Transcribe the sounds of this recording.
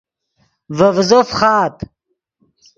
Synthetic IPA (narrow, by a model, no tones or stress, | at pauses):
vɐvzofχɑːt̪